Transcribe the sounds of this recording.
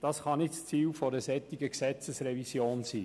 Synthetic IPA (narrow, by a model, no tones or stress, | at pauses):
d̥ɑsχɑnɪtst͡siːlfɔɾdəsɛt̪ːiɡəksɛt͡səsrɛvisjoːnsiː